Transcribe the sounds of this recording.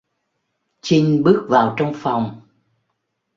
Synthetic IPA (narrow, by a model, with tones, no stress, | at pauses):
t͡ɕi˧ŋɓɨ˦˥ək̚vaː˨˩wt͡ɕɔ˧wŋ͡mfa˨˩wŋ͡m